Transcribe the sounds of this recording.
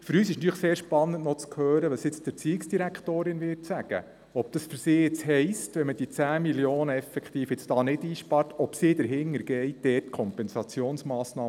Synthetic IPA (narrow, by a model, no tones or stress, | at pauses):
fʏɾyːsɪʃnt̪yːχseːɾʃpɑnːəntnɔt͡skʰhøːɾəʋɑsjɪt͡sd̥ɪɾt͡siːɪksd̥iɾækχtoːɾɪnʋɪɾtsæɡ̥ə̰ | ɔb̚d̥ɑsfʏɾsɪːɪt͡sɦɛɪstʋɛməd̥it͡sæːmiljoːnəɛfɛkt̪iːfɪt͡sd̥ɑːnɪdiːʃpɑɾtɔpsid̪əɾɦɪŋːəɾɡɛjd̥ɛːtkʰɔmpɛnsɑt͡sjoːnsmɑːsnɑː